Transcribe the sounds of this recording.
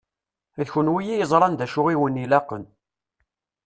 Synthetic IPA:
ðçənwijijəzˤɾˤɑnd̪æʃʊʁiwənilɑqən

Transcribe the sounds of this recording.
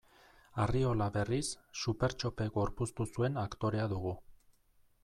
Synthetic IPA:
ario̞laβe̞risːupe̞ɾt͡ʃo̞pe̞ɡo̞ɾpust̪usue̞nakt̪o̞ɾe̞aðuɣu

